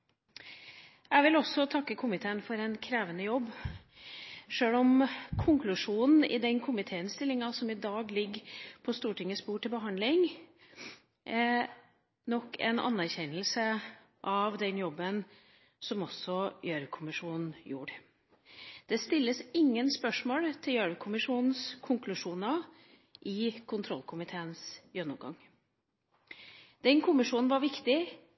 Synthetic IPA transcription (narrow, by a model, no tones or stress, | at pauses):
æʋɪlɔsɔt̪ʰɑkːəkʰʊmɪt̪ʰeːənfɔɾɛnkʰɾeːʋənəjɔbː | ʂøːlɔmkʰʊŋkʰlʉʂuːnn̩ɪ̰d̪ɛnkʰʊmɪt̪ʰeːənst̪ɪlːɪŋɑsɔmɪd̪ɑːɡlɪɡpʰɔst̪uːʈʰɪŋːəspuːʈʰɪlbəɦɑnd̪lɪŋ | nɔkʰːɛ̰nɑ̰nːæɾçɛnəlsə | ʔɑʋd̪ɛnjɔbːən | sɔmɔsɔjøɾkʰʊmɪʂuːnn̩jṵːɾ | d̪̥ɛst̪ɪlːəsɪŋːənspœʂmoːlt̪ʰɪljøɾəkʰʊmɪʂuːnn̩skʰʊŋkʰlʉʂuːnɑ | ʔɪkʰʊnt̪ʰɾɔlkʰʊmɪt̪ʰeːənsjœnʊmɡɑ̰ŋ | d̪̥ɛnkʰʊmɪʂuːnn̩ʋɑɾʋɪkt̪ɪ